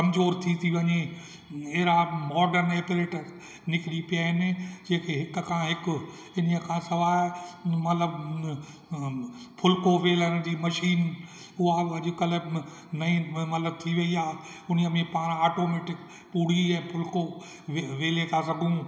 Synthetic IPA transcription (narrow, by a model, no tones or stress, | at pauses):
kɐmzoːɾt̪ʰit̪ʰiʋɐɲe | eɾamɔːɖəɾneːpɾeːʈə | nɪkɪɽipijaɦɪnɪ̆d͡ʑeːkʰeːɦɪkkʰãːɦɪkʊ | ɪniəkʰãːsɐʋaːɪmɐt̪ləb | pʰʊlkoʋeːləɽ̃d͡ʑiːmɐʃiːn | ʊɦaɐʄʊkəl | nɐĩmɐt̪ləb̚t̪ʰiʋɐiaːʊniəmẽpaːɽ̃aːʈoːmeːʈɪk | puːɽ̤iɛ̃ːpʰʊlko | ʋeʋeːlet̪ʰas̬ɐɡʱũ